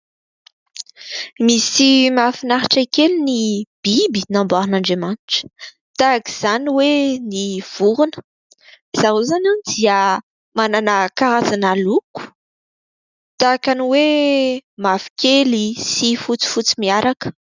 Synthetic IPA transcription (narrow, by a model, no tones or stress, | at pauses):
misimafinaɾaʈ͡ʂakelinib̥ibinambaɾinaɳɖ͡ʐemaniʈ͡ʂə̥ | t̪aki̥z̥aniweniv̥uɾunə̥ | z̥aɦuzananid̪iə | mananakaɾazanaluku̥ | t̪akaniwe | mafi̥kelisifut͡si̥fut͡simiaɾakə̥